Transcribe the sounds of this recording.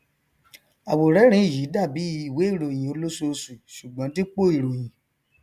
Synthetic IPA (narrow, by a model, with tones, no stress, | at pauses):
a˨wo˨ɾɛ˨˦ɾ̃ĩ˨˦˨ji˨˦da˦˨bi˨˦i˨we˨˦i˦˨ɾo˨j̃ĩ˨o˧lo˦so˧su˨ʃu˨ɡ͡bɔ̃˨˦ti˦k͡po˦˨i˨ɾo˨j̃ĩ˨